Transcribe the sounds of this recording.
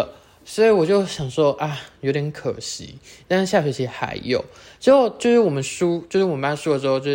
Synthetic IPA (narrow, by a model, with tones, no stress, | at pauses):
sɔ˧˥i˧˥˩wɔ˨˩t͡ɕjo˥˩ʊɕjɑ˨˩ŋʂwɔ˥ʔa˥˩jo˧˥ʊt̪jɛ˧˥nkʰə˨˩ɕḭ˧˥˦t̪a˥˧nʂɻ̩˥˩ɕja˥˩t͡ɕɥɛ˧˥˩t͡ɕʰi˧˩˥xa̰˧˥ɪjo˨˩˦ʊʈ͡ʂɻ̩˧˥xo˥˩ʊt͡ɕjo˥˧ʊʂɻ̩˥˩wɔ˨˩mə˦nʂu˥t͡ɕjo˥˧ʊʂɻ̩˥˩wpa˧˥˩ʂu˥lə˨˩ʂɻ̩˧xo˥˧t͡ɕjo˥˧˩